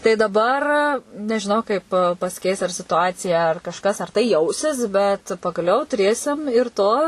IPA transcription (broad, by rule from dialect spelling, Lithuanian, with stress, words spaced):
tɐɪ dɐˈbɐr nʲɛʒʲɪˈnɐʊ kɐɪp pɐsʲɪˈkʲɛɪs ɐr sʲɪtʊˈɑːt͡sʲɪjɛ ɐr kɐʃˈkɐs ɐr tɐɪ ˈjɛʊsʲɪs bʲɛt pɐɡɐˈlʲɛʊ tʊˈrʲeːsʲɪm ɪr ˈtoː